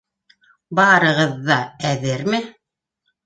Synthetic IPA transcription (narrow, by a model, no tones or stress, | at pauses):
bɑɾɤ̆ʁɤ̆ðːɑæðɘɾmɘ